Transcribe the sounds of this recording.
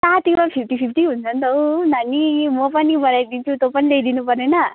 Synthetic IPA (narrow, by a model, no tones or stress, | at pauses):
sat̪iʋʌnpʰip̚ʰʈipʰipʰʈiɦunt͡sʰʌnt̪ownanimʌpʌnibʌɽajd̪int͡ʃʰut̪opʌnilejd̪inupʌrnena